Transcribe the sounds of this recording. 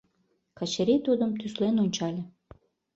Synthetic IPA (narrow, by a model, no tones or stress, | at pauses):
kɑt͡ɕeɾit̪ud̪əmt̪yslenonʲt͡ɕɑlʲe